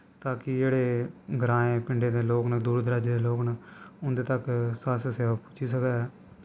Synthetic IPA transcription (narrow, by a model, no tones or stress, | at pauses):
t̪aːkɪd͡ʒeːɽeːɡɾãːẽːpɪɳɖeːd̪eːloːknad̪uːɾd̪əɾaːd͡ʒeːd̪eːloːknaʊnd̪eːt̪əkswaːseseːʋaːput͡ʃʰiːsəkɛːɛː